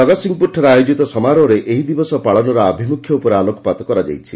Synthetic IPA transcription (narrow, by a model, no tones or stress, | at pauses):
ɔɡɔsiŋɡpuʈʰɔɾeajod͡ʒit̪ɔsɔmaɾɔɾeʔeɦid̪ibɔsɔpaɭɔnɔɾɔabʱimukʰjɔupɔɾealokɔ̥pat̪ɔkɔɾad͡ʒa̰jt͡ʃʰi